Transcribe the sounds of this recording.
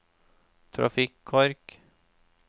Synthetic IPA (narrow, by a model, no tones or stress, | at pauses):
t̪ʰɾɑ̰fɪkʰːɔɾk